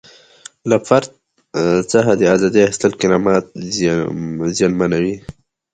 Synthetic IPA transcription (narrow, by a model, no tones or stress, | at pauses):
lafaɾd̪̚ | t͡səɦad̪əazɑd̪iaɪst̪əlkɪɾɑmɑt̪̚ | zijɑnmanawi